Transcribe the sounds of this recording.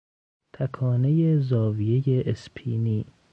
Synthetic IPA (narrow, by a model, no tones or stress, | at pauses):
t̪ʰækʰɒːne̞jezɒːvijejeʔespʰiːniː